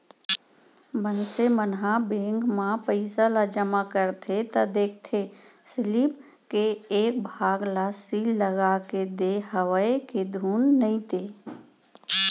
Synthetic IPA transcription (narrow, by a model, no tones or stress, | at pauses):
mənsemənɦãbẽːŋɡmãpəɪsalad͡ʒəmakəɾt̪ʰet̪əd̪eːk̚ʰt̪ʰesɪlip | keːk̚bʱaːɡlasilːəɡaked̪eɦəwəeked̪ʱuːnːəĩt̪eː